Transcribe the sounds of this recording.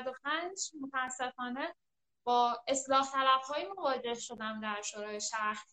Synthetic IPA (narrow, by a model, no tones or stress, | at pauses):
d̪op̚ʰænd͡ʒmo̞t̪ʰææsːe̞fɒːne̞ | b̥ɒːe̞slɒːht̪ʰælæb̥hɒːjimo̞vɒːd͡ʒe̞hʃo̞d̪æmd̪æɾʃoɾɒːjeʃæɾs